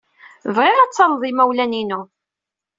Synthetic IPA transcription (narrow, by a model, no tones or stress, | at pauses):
vʁɪʁæt͡sːɑnðˤimæwlæninu